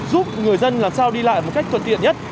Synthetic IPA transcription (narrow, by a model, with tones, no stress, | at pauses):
zu˦˥p̚ŋɨ˨˩əjzə˧nlaː˨˩msaː˧wɗi˧la̰ː˧˨jmo˨˩t̚ka˦jk̚t̪ʰə˨˩t̪ḭ˧˨əɲə˦˥t̚